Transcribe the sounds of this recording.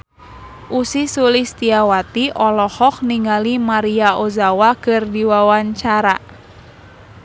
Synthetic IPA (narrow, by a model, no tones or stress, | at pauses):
ʔusisulist̪iawat̪iʔɔlɔhɔk̚niŋalimaɾiaozawakɨrdiwawaɲt͡ʃaɾa